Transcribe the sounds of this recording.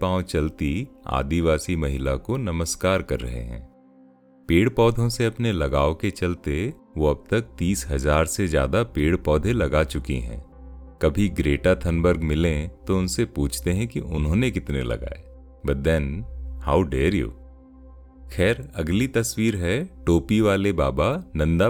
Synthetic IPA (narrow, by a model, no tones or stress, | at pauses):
pãːwt͡ʃɐlt̪ia̰ːd̪iʋaːsimɐɦɪlakonɐməskaːɾkɐɾːɐ̰ɦḛɦɛ̰̃ː | peːɽpɔːd̪ʱõseɐpnelɐɡaːoket͡ʃɐlt̪e | ʋoɐb̚t̪ɐk̚t̪iːsɦɐzaːɾsezja̰ːd̪apeːɽpɔːd̪ʱẽlɐɡat͡ʃʊkḭɦɛ̰̃ː | kɐbʱiɡɾeːʈat̪ʰɐnbəɾɡmɪlẽt̪oʊnsepuːt͡ʃʰt̪eɦɛ̃kiʔʊnɦõːnekɪt̪nḛlɐ̰ɡa̰ːeː | bɐʈ̚d̪ɛnha̰ːʊɖeːɾjṵ | xʰɛːɾɐɡlit̪ɐswiːɾɦɛʈoːpiʋaːlebaːbanɐ̃nd̪a